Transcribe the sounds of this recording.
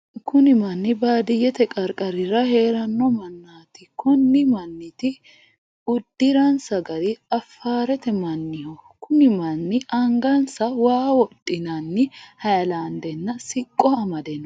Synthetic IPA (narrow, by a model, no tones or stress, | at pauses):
kʊnɪmɐnːɪbaːd̪ɪjɛt̪ɛkʼɐɾkʼɐɾɪɾɐhe̞ːɾɐnːɔmɐnːaːt̪ɪkʊnːɪmɐnːɪt̪ɪ | ʊd̪ːɪɾɐnsɐɡɐɾɪɐfːaːɾɛt̪ɛmɐnːɪhɔkʰʊnɪmɐnːɪʔɐŋɡɐnsɐwaːwɔt̪ʼːɪnɐnːɪhɐjɐlaːnd̪ɛnːɐsɪkʼːɔɐmɐd̪ɛn